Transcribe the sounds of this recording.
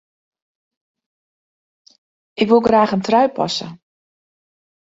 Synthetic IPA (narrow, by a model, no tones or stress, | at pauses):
ʔɪkʋulˠɡraːxəntrœɥpɑ̰sə̰